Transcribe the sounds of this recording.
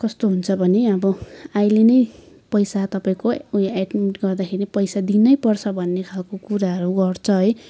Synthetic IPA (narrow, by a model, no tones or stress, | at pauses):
kʌst̪oɦunt͡sʰʌbʱʌneʌbʌajlenʌj | pʌjsat̪ʌpaĩkoeɖmiʈɡʌrd̪akʰeɾipʌjsad̪inʌjpʌrt͡sʰʌbʱʌnːekʰalkokuɾaɦʌɾuɡʌrt͡sʰʌɦʌj